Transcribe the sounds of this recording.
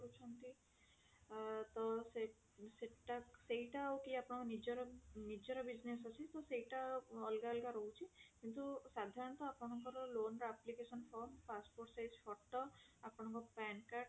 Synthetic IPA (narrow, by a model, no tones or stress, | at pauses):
ɾut͡ʃʰɔnt̪i | t̪ɔse | seʈasejʈawkiapɔɽ̃ɔ̃kɔnid͡ʒɔɾɔnid͡ʒɔɾɔbid͡ʒnesat͡ʃʰit̪ɔsejʈaɔlɡalɡaɾowt͡ʃʰikint̪usad̪ʱaɾɔnt̪ɔapnɔɦɔŋkɔɾlonɾaplikesɔnpʰɔɾmpaspoʈsajzpʰɔʈːɔapɔnɔ̃ɦɔŋkɔpankaʈ̚